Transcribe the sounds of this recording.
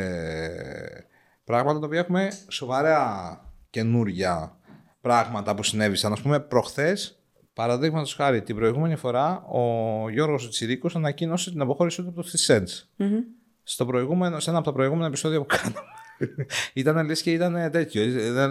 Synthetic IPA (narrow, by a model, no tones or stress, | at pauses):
pɾɐɣmɐt̪ɐt̪ɐopiɐexume̞so̞vɐɾeɐce̞nuɾʝɐ | pɾɐɣmɐt̪ɐpusine̞visɐnɐspumepɾo̞xθe̞s | pɐɾɐðiɣmɐt̪o̞sxɐɾit̪ibɾo̞iɣume̞nifo̞ɾɐo̞ʝo̞ɾɣos̬ot̪i̥t͡siɾikosɐnɐcino̞set̪inɐpo̞xo̞ɾisiot̪uɐpot̪oθisens | st̪o̞pɾo̞iɣumenosee̞nɐpot̪ɐpɾo̞iɣume̞nɐepiso̞ðiɐpu̥kʰɐnume | it̪ɐnelisceit̪ɐnet̪e̞t̪çoðe